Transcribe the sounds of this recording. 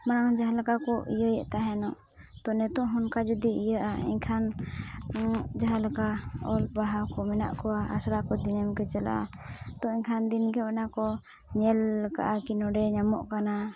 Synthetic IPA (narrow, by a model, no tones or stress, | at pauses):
manaɔd͡ʒaɦalakakɔʔḭjəjɛ̰ʔt̪aɦɛnɔʔ | t̪ɔnɛt̪ɔʔɦɔnkad͡ʒud̪iijəʔaḭɲkʰan | d͡ʒaɦalakaɔlpaɦakɔmɛna̰ʔkɔwaa̰sɾakɔd̪iɲɛmkɛt͡ʃɛla̰ʔa̰ | t̪ɔiɲkʰand̪inɡɛwɛnakɔ | ɲɛlka̰ʔakinɔɖɛɲamɔ̰ʔkana